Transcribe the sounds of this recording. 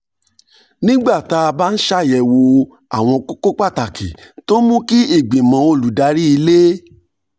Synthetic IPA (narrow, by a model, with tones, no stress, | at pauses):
nĩ˦ɡ͡ba˦˨ta˧ba˦n̩˦ʃa˦˨jɛ˨wo˧ | a˦˨w̃ɔ̃˧ko˦ko˦k͡pa˦˨ta˨ki˨to˦mũ˦ki˦i˦˨ɡ͡bĩ˨mã˨˦o˧˨lu˨da˨˧˦ɾi˦i˧le˦